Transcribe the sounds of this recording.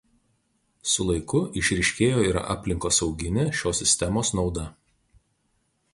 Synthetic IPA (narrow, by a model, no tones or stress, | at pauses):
sʊlˠɐɪkʊʔɪʃʲɾʲɪʃʲkʲeːjoːiːɾɐ̰ʔɑ̰ːpʲlʲɪŋkoːsɒʊɡʲɪnʲɪʃʲoːsʲɪsʲt̪ʲɛmoːsnɒʊd̪ɐ